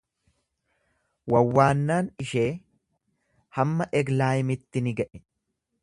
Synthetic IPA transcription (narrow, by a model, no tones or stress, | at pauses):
wɐwːaːnːaːnɪʃeː | hɐmːɐʔɛɡlaːjmɪt̪ːɪnɪɡɐʔɛ